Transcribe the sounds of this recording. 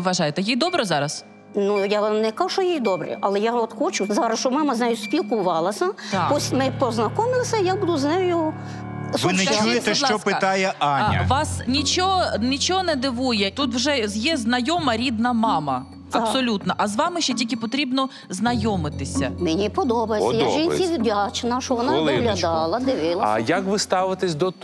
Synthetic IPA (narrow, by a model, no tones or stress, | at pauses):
ʋɐʒɑjɪt̪ɛjijd̪ɔbɾɛzɑɾɐs | nujanɛkauʃɔjijd̪ɔbɾɪ̰ʔɐlˠɛjaɔt̪xɔt͡ʃʊzɑɾɐsʃt͡ʃɔmɑmɐznajʊspʲilˠkʊʋɑlˠɐsʲɐpɔsʲmɪpɔznɐkɔmɪlˠsʲɐjabud̪ʊznɛjʊ | ʋɪnɛt͡ʃujet̪ɛʃt͡ʃɔpɪt̪ɑjɛʔɑnʲɐ̰ʋɑsnʲit͡ʃɔɦɔnʲit͡ʃɔɦɔnɛd̪ɪʋujɛt̪ut̪wʒɛjɛznɐjɔmɐɾʲid̪nɐmɑmɐ | ɐsɔlʲut̪nɐʔɐzʋɑmɪʃt͡ʃɛtʲilʲkʲɪpɔt̪ɾʲibnɔ | znɐjɔmɪt̪ɪsʲɐ̰menʲipɔd̪ɔbɐjsɐjaʒinʲsʲidʲat͡ʃnɐʃɔʋɔnɑlˠɪɦlʲɐd̪ɑlˠɐd̪ɪʋɪlˠɐɐ̰jɐkʋɪst̪ɑʋɪt̪ɪsʲd̪ɔt